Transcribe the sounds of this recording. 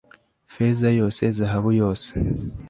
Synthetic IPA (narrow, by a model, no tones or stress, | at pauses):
fezajo̞ːse̞zaɦaβujo̞ːse̥